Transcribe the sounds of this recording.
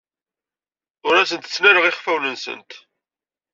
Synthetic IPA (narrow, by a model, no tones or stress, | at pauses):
ʊɾæsənt̪ə̥t͡sːnæɾəʁɪχfæwnənsə̰nt̪